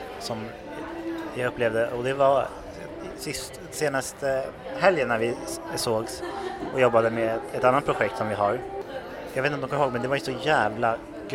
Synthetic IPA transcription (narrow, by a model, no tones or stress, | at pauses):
sɔm | jaɵpːleːvd̪əʔɔd̪ɛvaɾ | sɪst̪ | seːnast̪əhɛljənaɾvɪsoːɡsɔjɔbːad̪əmɛɛt̪anːat̪pʰɾʊɧɛkt̪sɔmvɪɦaɾ | jɑɡet̪nɔmd̪kɔməhoːɡ̚mɛnd̪ɛvaɾjsɔjæːvla | ɡ